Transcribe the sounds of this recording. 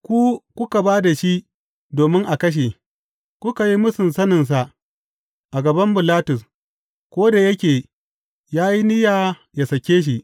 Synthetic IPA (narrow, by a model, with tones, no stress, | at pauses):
kʷu˦kʷʊ˦ka˨baː˦da˨ʃi˦ | doː˨mɪ˦ŋʔa˨kɐ˦ʃ̬eː˨ | kʷʊ˦ka˨ji˦mʊ˦sɪ˨nsɐ˦nɪ˨ns̬a˨ʔ | ʔa˨ɡɐ˨bɐ˦mbʊ˨laː˦tʊ˨s | kʷoː˦da˨jɐ˦kʲeː˨ | jaː˦ji˦nɪ˦jaː˨ | ja˨sɐ˨kʲeː˦ʃ̬i˨ʔ